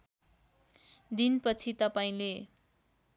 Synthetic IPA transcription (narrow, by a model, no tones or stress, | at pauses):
d̪inpʌt͡sʰit̪ʌpaĩle